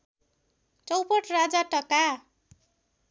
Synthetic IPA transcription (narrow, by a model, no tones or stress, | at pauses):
t͡sʌwpʌʈrad͡zaʈʌka